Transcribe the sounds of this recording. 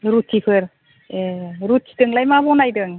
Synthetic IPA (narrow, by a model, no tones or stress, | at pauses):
ɾutʰːipʰɯɾ | eɾutʰːi̥dɯŋlajmabɔnajdɯŋ